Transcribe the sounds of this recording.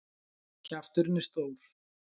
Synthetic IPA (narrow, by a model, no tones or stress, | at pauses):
cʰaft̪ʏɾnɪst̪oːwɾ̥